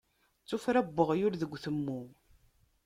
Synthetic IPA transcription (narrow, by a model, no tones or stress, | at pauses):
t͡sːʊfɾæbːəʁjʊɾðəɡʷːθəmːu